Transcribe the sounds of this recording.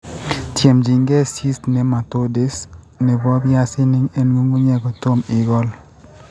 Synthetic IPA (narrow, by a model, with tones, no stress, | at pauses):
tje˨md͡ʒi˨ŋɡɛ˦si˦stnɛ˨ma˨to˦de˨s | nɛ˨bɔ˦bja˦sɪ˦nɪ˦ŋɛ˦nwo˦ŋɡu˦ɲɛ˦ɡɔ˨to˦mɪ˨ɡɔ˦l